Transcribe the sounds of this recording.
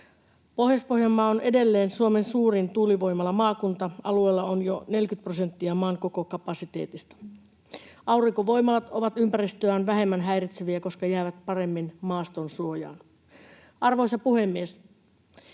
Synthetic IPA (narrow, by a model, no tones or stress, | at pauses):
po̞hjɑspo̞hjɑmːɑːone̞de̞lːe̞ːnsuome̞nsuːrint̪uːliʋo̞jmɑlɑmɑːkunt̪ɑɑ̰lue̞ːlːɑonjone̞lkyt̪̚prose̞nt̪ːiɑmɑːŋko̞ko̞kɑpɑsit̪eːt̪ist̪ɑ̥ | ʔɑuriŋkoʋo̞jmɑlɑt̪o̞ʋɑt̪ympærist̪øæːnʋæɦe̞mːænɦæjrit̪seʋiæko̞skɑjæːʋæt̪pɑɾe̞mːinmɑːst̪o̞nsuo̞jɑ̰ːn | ʔɑrʋo̞isɑpuhe̞mːies